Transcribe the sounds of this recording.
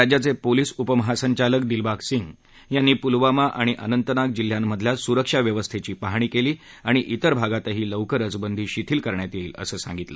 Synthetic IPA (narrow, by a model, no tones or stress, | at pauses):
ad͡ʑjat͡sepoliːsupəməɦasəɲt͡ɕaləkd̪ilbaksiŋɡ | janːiːpulʋamaʔaɽ̃iʔənənt̪ənak̚d͡ʑil̤ːjamːəd̪ʱjasuɾəkʂaʋjəʋəst̪ʰet͡ɕiːpaɦɽ̃iːkeliː | aɽ̃iʔit̪əɾbʱaɡat̪əɦiːləwkəɾəd͡zbənd̪ʱiːɕit̪ʰiːlkəɾɳjat̪jeiːlə̰səːsã̰ŋɡit̪lə̰